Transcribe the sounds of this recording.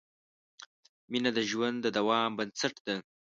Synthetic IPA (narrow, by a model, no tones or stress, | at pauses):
minad̪əʒwand̪d̪əd̪awɑmbənsaʈd̪̥a